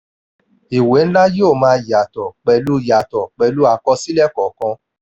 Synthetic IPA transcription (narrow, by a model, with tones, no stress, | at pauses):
i˨we˨˦n̩˦la˦joː˦˨mãː˨˦˧ja˨tɔ˨k͡pɛ˧lu˦ja˨tɔ˨k͡pɛ˧lu˦a˧kɔ˧si˦lɛ˦˨kɔ˨kɔ̃˧